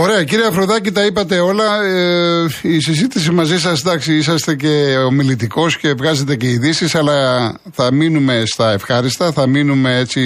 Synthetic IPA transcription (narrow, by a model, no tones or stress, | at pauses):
o̞ɾe̞ɐciɾiɐfɾoðɐcit̪ɐipɐt̪e̞o̞lɐeisizit̪isimɐzisɐsd̪ɐksiisɐst̪e̞ce̞omilit̪iko̞sce̞vɣɐze̞t̪e̞ce̞iðisisɐlɐ | θɐminume̞st̪ɐe̞fxɐɾist̪ɐθɐminume̞e̞t͡si